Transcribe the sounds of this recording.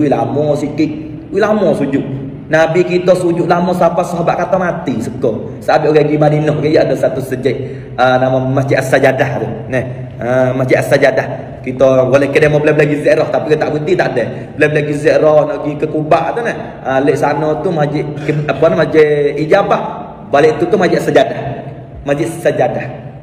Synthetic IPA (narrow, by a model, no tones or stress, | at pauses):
uwila̰mɔsikik̚ | wilamɔsud͡ʒuʔ | nabikit̪ɔsud͡ʒuʔlamɔsapasoɦabaʔkat̪ɔmat̪isəkɔ | saabiʔoɡaɡimaninɔhkəjəʔadɔsat̪usəd͡ʒɛʔ | ənamamad͡ʒiʔasad͡ʒadahdunɛh | əmad͡ʒiʔasad͡ʒadah | kit̪ɔbolɛhkədəmɔbəlɛbəleɡizɛʔɾɔht̪apikət̪aʔbut̪it̪aʔdə | bəlɛhbəleɡizɛʔɾɔhnɔʔɡikəkubaʔt̪unəh | əleʔsanɔt̪umad͡ʒiʔkəpanmad͡ʒɛid͡ʒampah | baleʔt̪ut̪umad͡ʒiʔasad͡ʒadah | mad͡ʒiʔssad͡ʒadah